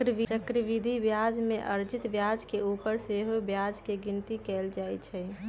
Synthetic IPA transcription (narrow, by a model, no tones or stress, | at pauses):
ɾʋit͡ʃəkɾəʋid̪ʱibjad͡ʒmẽʔə̰ɾd͡ʒɪt̪bjad͡ʒkeupəɾseɦobjad͡ʒkeɡɪnt̪ikɛld͡ʒajt͡ʃʰɛ